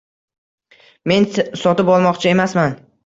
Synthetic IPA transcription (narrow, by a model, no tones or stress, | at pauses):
me̞nsɒt̪ɪpɒlˠmɒqt͡ʃʰae̞masman